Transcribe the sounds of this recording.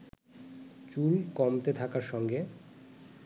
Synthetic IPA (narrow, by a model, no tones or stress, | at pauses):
t͡ɕulkɔmt̪et̪ʰakaɾʃɔŋɡe